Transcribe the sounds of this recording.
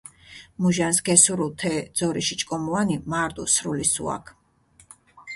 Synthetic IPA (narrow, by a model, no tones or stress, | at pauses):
muʒansɡɛsuɾulˠt̪ʰɛd̪z̥ɔɾiʃit͡ʃʼkʼɔmuanimaɾt̪ʼṵsɾulisṵa̰kʰ